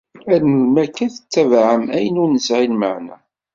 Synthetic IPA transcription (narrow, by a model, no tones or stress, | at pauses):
æɾnəlmækːæθə̥t͡sːævʕəmæjənʊɾnəsʕilməʕnæ̰